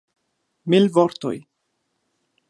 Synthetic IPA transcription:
milvoɾt̪o̰j

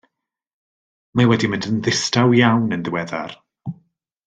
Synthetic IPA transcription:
mawɛdimɪ̃ndənðɪstawjawnənðɪwɛða̰r

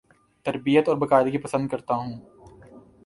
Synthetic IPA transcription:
t̪ɐɾbijət̪ɔːɾbɐkaːɪd̪kipɐsə̃nd̪̚kɐɾt̪aɦũː

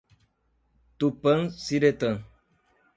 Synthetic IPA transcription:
t̪upəŋsiɾet̪əŋ

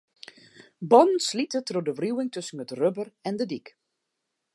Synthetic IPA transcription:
bɔnn̩slitətrodəʋriuwɪŋtɵsən̩ətrøbərɛndədik

